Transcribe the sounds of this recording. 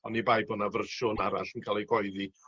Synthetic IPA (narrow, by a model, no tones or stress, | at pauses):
ɔnibajbɔnavərʃʊnaɾa̰ɬənkʰaːlˠiɡɔɨði